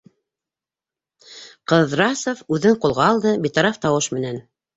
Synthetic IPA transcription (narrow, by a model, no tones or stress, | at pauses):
qɤ̆ðɾɑsofʉðɘɴqulˠʁɑːlˠd̪ɤbit̪ɑɾɑft̪ɑwɤʃmɘ̆næn